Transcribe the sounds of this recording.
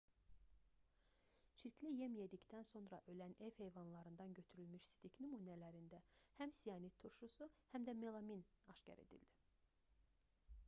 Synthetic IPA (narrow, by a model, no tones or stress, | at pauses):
t͡ʃʰiɾcʰlijemjed̪icd̪ænso̞nɾɑʔø̞læne̞vhe̞jvɑnlˠɑɾɯnd̪ɑnɟø̞t̪ʰyɾylmyʃsi̥d̪ʰicnymuːnælæɾind̪æhæmsijɑnit̪ʰːuɾʃusuhæmd̪æmelˠominɑʃcɑ̰ɾe̞̰d̪ḭld̪̥i